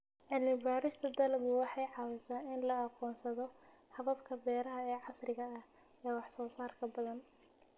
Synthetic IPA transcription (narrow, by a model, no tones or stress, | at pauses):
ʔɪlmɪbaːɾɪst̪ʰɐd̪ɐlɡʊwɑħɑjʕɑwɛsaːɪnlɐɑqɔːnsɐðɔħɑβɐbkʰɐbɛːɾɐɦɐɛːʕɑsrɪɣɐɐhɛːwɑħsɔːsaːrkʰɐbɐðɐn